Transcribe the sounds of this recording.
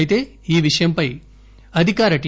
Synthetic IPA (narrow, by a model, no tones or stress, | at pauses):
jt̪e̞ː | iːʋiʂɐjɐmpɐj | ɐd̪ʱikaːɾɐʈ